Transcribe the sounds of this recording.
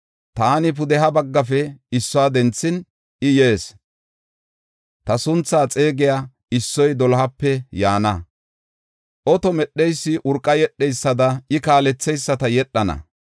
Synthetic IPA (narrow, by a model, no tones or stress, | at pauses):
t̪aːnɪp̬ʊd̪ɛɦɐbɐɡːɐfɛɪsːɔaːd̪ɛnt͡sːɪn | ʔɪje̞ːs | t̪ɐsʊnt͡sːaːt͡sʼe̞ːɡɪja | ɪsːɔjd̪ɔlhɐpːɛjaːnɐ | ʔɔt̪ɔmɛɗːɛjsːɪʔʊɾkʼːɐjɛɗːɛjsːɐd̪ɐɪkaːlɛt͡sːɛjsːɐt̪ɐjɛɗːɐnɐ̰